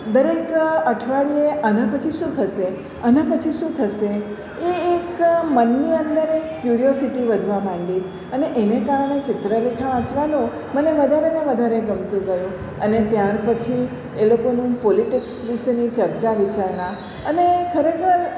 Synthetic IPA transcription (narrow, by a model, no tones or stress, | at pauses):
d̪əɾekəʈʰʋaɭieʔənapət͡ʃʰiʃũt̪ʰəʃe | ənãpət͡ʃʰiʃũt̪ʰəʃe | eːkmənːiənd̪əɾekːjuɾijosiʈiʋəd̪ʱʋamãɳɖi | əneʔenekaɾɳ̃et͡ʃɪt̪ɾəlekʰaʋãt͡ʃʋanũ | məneʋəd̪ʱaɾeneʋəd̪ʱaɾeɡəmt̪ũɡəjũ | ənet̪jaɾpət͡ʃʰi | elokonũpoliʈiksʋiʃenit͡ʃəɾt͡ʃaʋit͡ʃaɾna | ənekʰəɾekʰəɾ